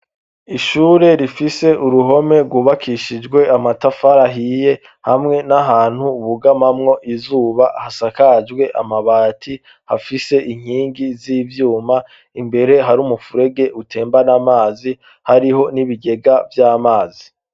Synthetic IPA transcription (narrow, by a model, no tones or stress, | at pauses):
iʃuːɾe̞ɾifise̞ʔuɾuɦo̞me̞ɾɡwuβakʰiʃid͡ʒɡwe̞amatafaɾaɦije̞ | hamŋe̞naɦaːn̥huβuɡamamŋo̞ʔizuːβahasakad͡ʒɡwe̞ʔa̰maβaːtʰi | hafise̞ʔiŋ̥hiːŋɡiziːvjuːma | imbe̞ɾe̞ɦaɾumufuɾe̞ɡe̞ʔutʰe̞ːmbanamaːzi | haɾiɦo̞niβiɡe̞ɡavjaːmaːzi